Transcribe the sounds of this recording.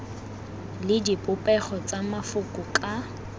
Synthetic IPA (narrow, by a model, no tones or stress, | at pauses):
lɪdipʼʊpʼɛχɔt͡sʼamafʊkʼʊkʼa